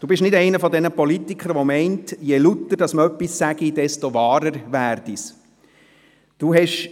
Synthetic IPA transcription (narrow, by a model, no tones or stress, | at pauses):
d̥uːbɪʃnɪdɛɪnəfɔdɛnəpɔlit̪ikʰəɾʋɔmɛɪntjɛlut̪ːəd̥ɑsməœpːissæɡid̥ɛstoʋɑːɾəɾʋæːrd̥is | d̥uːɦɛʃ